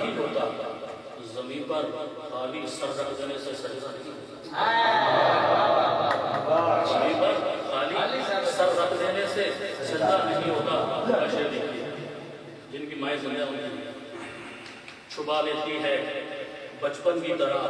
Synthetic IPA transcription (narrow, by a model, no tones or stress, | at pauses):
ɦĩɦoːt̪a | zɐmĩːnpɐɾ | xaːlisɐɾɾɐkʰd̪eːnesesɐɾsɐɾi | zɐmĩːnpɐɾxaːlisɐɾɾɐkʰd̪eːnesesɪ̃nt̪anɐɦĩɦoːt̪abɐʃed̪ei | d͡ʒɪnkimaːid̪ʊnijamĩ | t͡ʃʰʊbaleːt̪iɦɛː | bɐt͡ʃpənkit̪ɐɾə